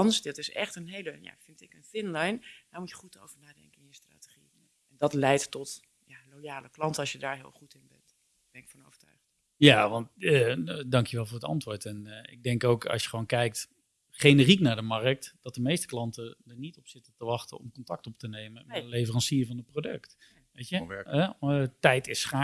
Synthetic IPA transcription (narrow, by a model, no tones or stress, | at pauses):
ɑnsdɑtɪsɛ̰χtənɦejləja̰fɪntɪkənfɪnlajndaːɹmutjəχuto̰wvəɹnaːdɛ̰ŋkəɪnjəstra̰tə̥χi | ɛndɑtlɛjtːɔt | jalojaːləklɑntəɑlˠsjədaːɹɦɪ̰ːlˠχutɪnbɛ̰nt | b̥ɛnɪkfɔno̰wvəɹta̰ɥχ | jaʋɑntədɑŋkjəʋɛlˠvʊːɹdətɑ̰ntʋʊːɹtɛnɪ̰ɡ̚dɛŋkowkɑ̰sjəχəʋownkɛjk̚t | χejnəriknaːɹdəmɑrək̚td̥ɑt̚dəmejstəklɑntədəɹnitɔpsɪtətəʋɑχtə̰nɔ̰mkɔntɑk̚tɔp̚tənejməmɛəlejvərɑnsiɹvɑnət̚prowdɵ̰kt | ʋejtjəɛɛtɛjtɪsχa